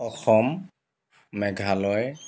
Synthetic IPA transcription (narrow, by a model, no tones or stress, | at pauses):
ɔxɔmː | ɛɡʱalɔj